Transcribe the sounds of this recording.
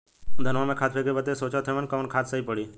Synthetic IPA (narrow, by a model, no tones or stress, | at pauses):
d̪ʱənʋamẽːkʰaːt̪̚ʰpʰekebət̪esoːt͡ʃot̪ʰeʋənkəʋənkʰaːt̪ʰsəiːpəɽiː